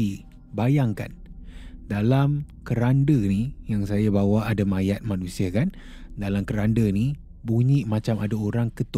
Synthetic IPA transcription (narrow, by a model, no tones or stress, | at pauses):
i | bajaŋka̰n | dalamkəɾandənijaŋsajabawaːdamajat̪̚manũsiakan | dalamkəɾandəni | buɲiʔmãt͡ʃamadaoɾaŋkət̪u